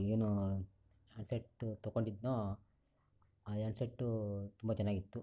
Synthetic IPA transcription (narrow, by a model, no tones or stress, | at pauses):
eːnu | jaːɳseʈːt̪okoɳɖid̪noː | aːjaːɳseʈːut̪umbɐt͡ʃɛnːaːɡit̪ːu